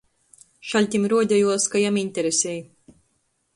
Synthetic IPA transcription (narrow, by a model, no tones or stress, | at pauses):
ʃalʲt̪ʲimɾuɔd̪ʲajuɔskajaminʲt̪ʲɛɾesʲɛj